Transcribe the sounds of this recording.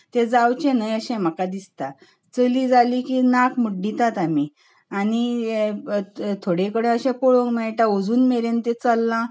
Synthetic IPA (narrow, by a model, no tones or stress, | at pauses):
t̪ẽd͡zawt͡ɕẽnəjəɕɛ̃m̤əkad̪ist̪a | t͡səliːd͡zalikinãkmuɖːit̪at̪ami | añi | t̪ʰoɽekəɽẽəɕɛ̃poɭõŋɡmɛjʈãod͡zuːnmeɾẽnt̪et͡səlːã